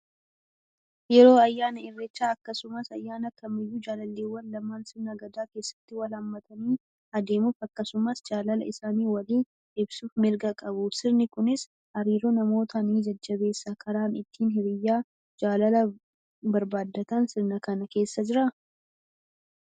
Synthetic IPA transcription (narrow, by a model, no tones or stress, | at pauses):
jɛɾo̞ːɐjːaːnɐɪrːɛt͡ʃːaːɐkːɐsʊmɐsɐjːaːnɐkɐmɪjːuːd͡ʒaːlɐlːeːwːɐnlɐmaːnsɪɾnɐɡɐd̪aːke̞ːsːɐ̥t̪ːɪwɐlɐmːɐt̪ʰɐniː | ɐd̪e̞ːmufɐkːɐsʊmɐsd͡ʒaːlɐlɐ̰ɪsaːniːwɐliːn | ɪbsuːfmɪɾɡɐkʼɐbʊsɪɾnɪkʊnɪs | hɐɾiːɾonɐmo̞ːt̪ʰɐniːd͡ʒɐd͡ʒːɐbe̞ːsːakʰɐɾaːnɪt̪ʰːiːnɦɪbɪjːaː | d͡ʒaːlɐlɐ | bɐɾbaːd̪ːɐt̪ɐnsɪɾnɐkɐnɐke̞ːsːɐd͡ʒɪɾɐ